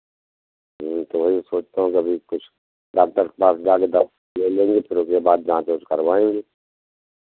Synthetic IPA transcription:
t̪oʋɐɦisoːt͡ʃt̪aːɦũkiɐbʱikʊt͡ʃʰ | ɖaːk̚t̪əɾkpaːsd͡ʒaːked̪ɐ | lelẽːŋɡepʰɪɾʊskebaːd̪̚d͡ʒããt̪eʊt͡ʃʰkɐɾʋaːẽːŋɡeː

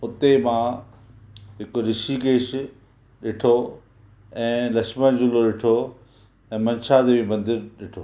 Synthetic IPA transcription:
ʊt̪emã | ɦɪkɾɪʃikeːʃ | ɗɪʈʰo | ɛ̃ːlɐʃmənd͡ʑʊloɗɪʈʰo | ɛ̃ːmɐ̃nʃad̪eʋimɐ̃nd̪ɪɾɗɪʈʰoː

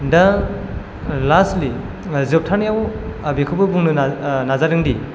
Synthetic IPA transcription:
da | lasli | zɯp̚tʰanjaw | bekʰɯbɯbuŋnɯnazaɾɯŋdi

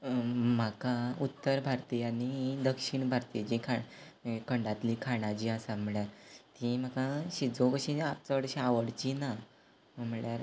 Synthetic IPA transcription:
m̤akaut̪ːəɾbʱaɾt̪ijanid̪əkʂiɳbʱaɾt̪id͡ʑikʰa | kəɳɖat̪likʰaɽ̃ad͡ʑiasam̤əɭjaɾt̪ĩm̤akaɕid͡zokəɕĩat͡səəɽɕiaʋəɽt͡ɕina | m̤əɭjaɾ

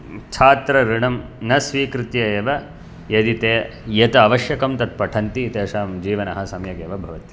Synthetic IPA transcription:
t͡ʃʰaːt̪ɾɐɾiɳɐm | nɐsʋiːkɾit̪jɐeːʋɐ | jɐd̪it̪eː | jɐt̪ɐːʋɐʃjɐkɐmt̪ɐt̪̚pɐʈʰɐnt̪iːt̪eːʂaːmd͡ʒiːʋɐnɐɦɐsɐmjɐɡeːʋɐbʱɐʋɐt̪i̥

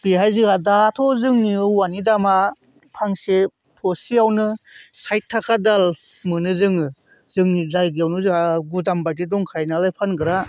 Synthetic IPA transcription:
biɦajzɯɡadatʰɔzɯŋniɯwanidama | pʰaŋse | pʰɔsiawnɯsajtʰːakʰadal | mɯnɯzɯŋɯ | zɯŋnizajɡawnɯzɯaɡudambajtidɔŋkʰajnalajpʰanɡɯɾa

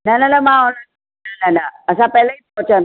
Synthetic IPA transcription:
nananamaɔna | nananaasapɛlɛ | ot͡ʃan

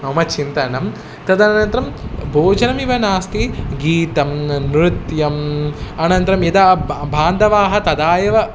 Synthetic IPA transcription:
ɐmɐt͡ʃʰint̪ɐnɐm | t̪ɐd̪ɐnɐnt̪ɾɐmbʱoːd͡ʒɐnɐmiʋɐnaːst̪iɡiːt̪ɐmnɾut̪jɐmɐnɐnt̪ɾɐmjɐd̪abʱaːnd̪ɐʋaːɦɐ̆t̪ɐd̪aːjɐʋɐ

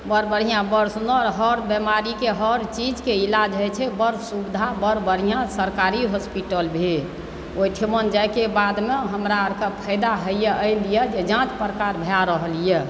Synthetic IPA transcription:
bəɾbəɾ̤ijãbəɾsnɔɾɦəɾbəmaɾikeɦəɾt͡ʃid͡ʒkeilad͡ʒɦəjt͡ʃʰɛbəɾsubid̪ʱabəɾbəɾijãsəɾkaɾiɦospiʈəlbʱe | oiʈʰimənd͡ʒajkebad̪meɦəmɾaəɾkəpʰəɪd̪aɦəjjəʔəɪlijəd͡ʒed͡ʒãt̪pɾəkaɾbʱeaɾəɦlijɛ

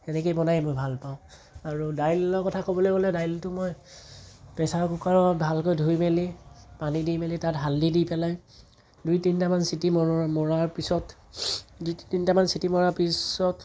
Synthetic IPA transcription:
ɛnɛkejbɔnajmojbʱalpaʊ̃ | aɹudajlːɔkɔtʰakobɔlojɡolɛdajltʊmoj | pɛsaɹkukaɹɔbʱalkojdʱujmelipanidijmelitatɦaldidipɛlaj | dujtintamansitimɔmɔɹaɹpisɔt | dujttintamansitimɔɹaɹpisɔt

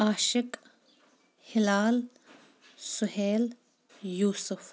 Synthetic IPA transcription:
aːʃɪk | hɪlaːl | sʊɦeːl | juːsʊf

